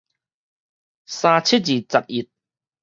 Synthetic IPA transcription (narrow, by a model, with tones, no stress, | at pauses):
saː˧t͡ɕʰi˦˥t̚d͡ʑiː˨˩t͡sa˨t̚i˨˩t̚